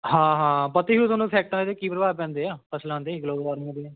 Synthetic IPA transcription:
ɦãːɦãːpət̪iɦuːt̪onũpʰɛːk̚ʈãnd̪eeːkiːpɾəbaːpɛ̃ːnd̪eːaːpəsʰlãːnd̪eːɪkloːʋaːɾmẽːb

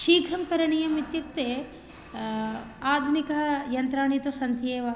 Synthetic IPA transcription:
ʃiːɡʱɐmkɐɾɐɳijɐmit̪juk̚t̪eː | aːd̪ʱunikɐɦɐjɐnt̪ɾaːɳit̪usɐnt̪jeːʋɐ

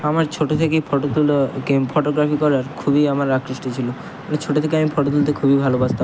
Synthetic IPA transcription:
amaɾt͡ɕʰoʈot̪ʰekepʰoʈot̪ulkepʰoʈoɡɾapikɔɾaɾkʰubiamaɾakɾiʃʈot͡ɕʰilo | anet͡ʃʰoʈot̪ʰekeamipʰoʈot̪ult̪ekʰubibʱalobad͡ʑt̪a

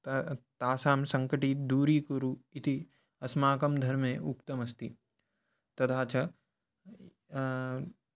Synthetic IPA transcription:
t̪aːsaːmsɐŋkɐʈiːt̪̚d̪uːɾiːkuɾuit̪i | ɐsmaːkɐmd̪ʱɐɾmeːʔukt̪ɐmɐst̪i | t̪ɐt̪ʰaːt͡ʃɐ

